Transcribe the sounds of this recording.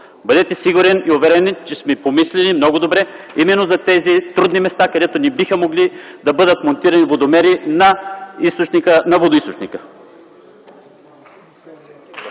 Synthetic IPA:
bəd̪ɛt̪ɛsiɡʊɾɛniovɛɾɛnɛnt͡ʃɛsmɛpomislɛnimnɔɡod̪obɾɛ | imɛnːozɐt̪ɛzit̪ɾud̪nimɛst̪akɐd̪ɛt̪onibixəmoɡlid̪ɐbɤd̪ət̪mont̪iɾɐnivod̪omɛɾinɐist̪ot͡ʃnikənɐvod̪oist̪ot͡ʃnikə̥

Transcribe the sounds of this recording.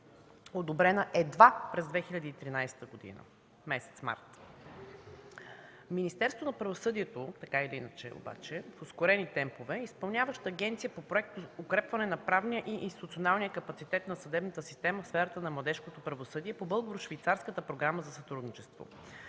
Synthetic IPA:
od̪obɾɛnəʔɛd̪vapɾɛzd̪vɛxiʎʲəd̪iːt̪ɾinajsɛ̥t̪əɡod̪ḭnə̰ | mɛsɛ̥t̪sma̰ɾt̪ | minist̪ɛɾst̪vonɐpɾɐvosɤd̪iɛt̪ot̪ɐkailiinət͡ʃɛ̰o̰ba̰t͡ʃɛfoskoɾɛnit̪ɛmpovɛispɐlˠnʲavəʃt̪əːɡ̟ɛnt̪sijəpopɾoɛk̚t̪ookɾɛpvɐnɛnɐpɾavnijəʔiʔinst̪i̥t̪ut̪sionalˠnijəkɐpɐt̪sit̪ɛt̪nɐsɐd̪ɛbnət̪əsist̪ɛməfsfɛɾət̪ənɐmlˠɐd̪ɛʃkot̪opɾɐvosɤd̪iɛpobɤlˠɡoɾʊʃvijt̪saɾskət̪əpɾoɡɾaməzɐsɐt̪ɾud̪nit͡ʃɛst̪vo̰

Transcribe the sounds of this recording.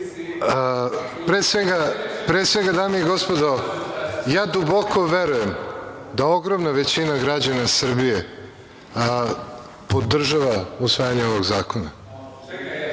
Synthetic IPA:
pɾesʋeɡapɾesʋeɡad̪aːmeiɡo̞spod̪o | jaːd̪uboko̞ʋeɾuje̞md̪ao̞ɡɾomnaʋet͡ɕinaɡɾad͡ʑanasr̩bije | po̞d̪r̩ʒaʋausʋaːjaɲeoʋoɡzaːko̞na

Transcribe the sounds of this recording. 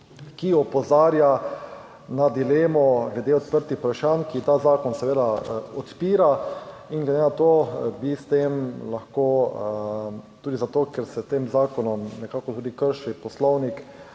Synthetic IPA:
kiɔpɔzaːɾja | nad̪ileːmɔɡlɛd̪eɔt̪pəɾt̪ixpɾaʃankit̪aːzaːkɔnsɛʋeːd̪aɔt̪piːɾaiŋɡlɛd̪enat̪oːbist̪emlaxkoː | t̪uːd̪izat̪oːkɛɾsɛt̪eːmzaːkɔnɔmnɛkaːkɔt̪uːd̪ikəɾʃipɔslɔwnik

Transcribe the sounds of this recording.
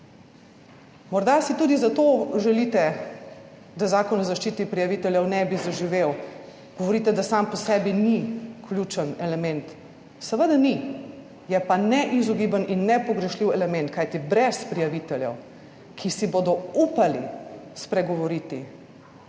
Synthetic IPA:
mɔɾd̪asit̪uːd̪izat̪oʒɛlit̪ɛ | d̪azaːkɔnɔzaʃt͡ʃiːt̪ipɾijaʋit̪ɛljɛwnɛbizaʒiʋew | ɡ̥ɔʋɔɾit̪ɛd̪asampɔsɛːbiniklʲjut͡ʃənɛlɛmɛnt̪ | səʋəd̪ani | jɛpanɛʔizɔɡiːbəninːɛpɔɡɾɛʃliwɛlɛmɛ̃nt̪̚kajt̪ibɾɛspɾijaʋit̪ɛljɛ̰w | kʰisibod̪ɔupalḭspɾɛɡɔʋɔɾiːt̪i

